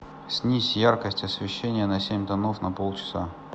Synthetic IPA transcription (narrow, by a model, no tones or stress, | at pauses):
sʲnʲisʲjarkəsʲtʲɐsvʲɪɕːenʲɪjənɐsʲemʲd̪ɐnofnɐpolˠt͡ɕɪ̥sa̰